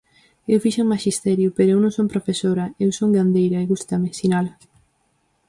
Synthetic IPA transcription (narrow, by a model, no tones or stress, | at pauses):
ewfiʃaŋmaʃist̪ɛɾjʊpeɾoewnõŋsompɾofesoɾɐewsoŋɡand̪ejɾɐeɣust̪ɐmesinalɐ